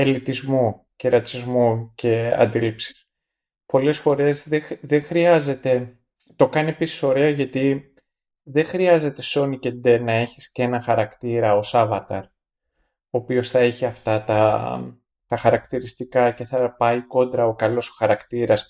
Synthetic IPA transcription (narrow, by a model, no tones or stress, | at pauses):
elit̪izmu | ce̞ɾɐt͡sizmuce̞ɐ̰nd̪ilipsi̥s | po̞le̞sfo̞ɾe̞zðeðexɾiɐze̞t̪e̞ | t̪o̞kɐnie̞pisi̥so̞ɾe̞ɐʝɐt̪i | ðexɾiɐze̞t̪e̞so̞nice̞nd̪enɐe̞çi̥sce̞nɐxɐɾɐkt̪iɾɐo̞sɐvɐt̪ɐɾ | o̞ːpio̞sθɐeçiɐft̪ɐt̪ɐ | t̪ɐxɐɾɐkt̪iɾist̪ikɐce̞θɐpɐiko̞nd̪ɾɐo̞kɐlo̞so̥xɐɾɐkt̪iɾɐs